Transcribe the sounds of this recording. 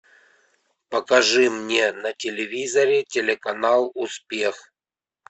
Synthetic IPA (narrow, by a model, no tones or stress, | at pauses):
pəkɐʐɨmnʲenətʲɪlʲɪvʲizəɾʲɪtʲɪlʲɪkɐnalˠʊspʲe̞x